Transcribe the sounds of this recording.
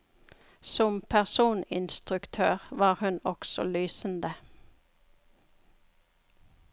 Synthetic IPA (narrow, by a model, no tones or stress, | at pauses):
sɔmpʰæʁsuːnɪ̰nst̪ʁʉkt̪ʰøːʁʋɑːʁhʉnɔksɔ̰lyːsən̩d̪ə